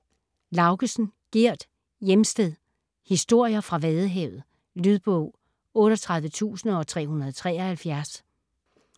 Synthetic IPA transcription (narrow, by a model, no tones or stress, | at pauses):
lɑ̈ʊɡ̥əsn̩ɡ̥iɐ̰d̥ | jemsd̥eðˠ | hisd̥o̝ɐ̰jɐfʁɑ̈ʋɛːðˠəɦeʊð̞̩ˠ | lyð̞ˠb̥ɔʊ̰ | ɔ̽ːɾɒt͡sʰʁɑ̈ð̞ˠʋət͡sʰṵːsn̩ɒ̽t͡sʰʁɛ̰ːhunɐð̩ˠt͡sʰʁɛːɐhælfjæɐs